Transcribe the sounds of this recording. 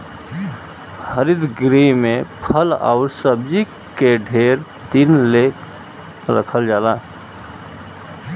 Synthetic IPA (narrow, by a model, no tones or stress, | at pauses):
həɾɪd̪ɡɾimẽpʰəla̰ʊɾsəb̚d͡ʒi | keɖʱeːɾ | t̪inleːk | ɾə̰kʰəld͡ʒaːla